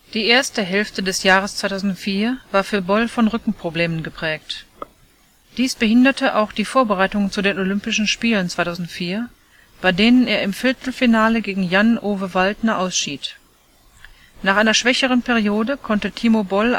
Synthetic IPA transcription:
d̥iːʔeːɐstəɦɛlftədɛsjaːʁ̞əst͡sv̥aɪtʰaʊzn̩tfiːɐvaːɐfyːɐbɔlfɔnʁʏkŋ̩pʁ̥obleːmənɡəpʁ̥ɛːk̚t | d̥iːsb̥əhɪndɐtʰəʔaʊxd̥iːfoːɐbəʁaɪtʊŋnt͡sudeːnolʏmpɪʃn̩ʃpiːlənt͡sv̥aɪtaʊzn̩tfiːɐ | b̥aɪdeːnəneːɐɪmfɪɐtʰl̩finaːləɡeːɡŋ̩janʔoːvəvaltnɐʔaʊsʃiːt | naːχʔaɪnɐʃv̥ɛçəʁ̞ənpɛʁijoːdəkʰɔntətʰiːmobɔl

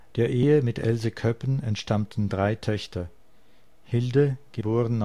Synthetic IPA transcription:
d̥eːɐʔeːəmɪtʰʔɛ̰lzəkʰœpənɛntʃtamtn̩dʁaɪtʰœçtʰɐ | hɪldəɡ̥əboːʁən

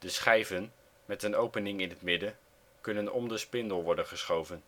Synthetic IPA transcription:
d̥əsχɛjvən | mɛtənowpənɪŋɪnɦətmɪdə | kɵnənɔ̰mdəspɪndəlˠʋɔɹdənχəsχowvən

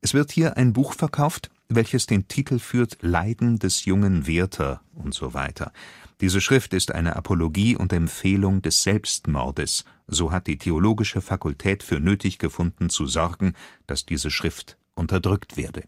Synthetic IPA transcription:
ʔɛsv̥ɪɐthiːɐʔa̰ɪnbuːxfɛɐkʰaʊft | vɛlçəsd̥eːntʰiːtʰl̩fyːɐtlaɪdn̩dɛsjʊŋənveːɐtʰɐʔʊntz̥o̰va̰ɪtʰɐ̰d̥iːzəʃʁ̥ɪftɪstʔa̰ɪnəʔa̰pʰoloɡiːʔʊ̰ntɛmfeːlʊŋdɛsz̥ɛlpstmɔ̰ɐdəs | z̥oːɦat̚d̥iːtʰeoloːɡɪʃəfakʊltʰɛːtfyːɐnøːtʰɪçɡ̥əfʊndn̩t͡suzɔʁɡŋ̩d̥asd̥iːzəʃʁ̥ɪft | ʔʊntɐdʁʏktv̥ḛːɐdə

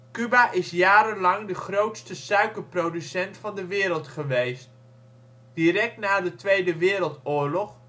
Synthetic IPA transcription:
kybaʔɪsjaːɾənlɑŋdəχrowtstəsœɥkəɹprowdysɛntfɑndəʋɪːɾəlˠtχəʋejst | d̥iɾɛk̚tnaːdətʋejdəʋɪːɾəlˠtʊːɹlɔχ

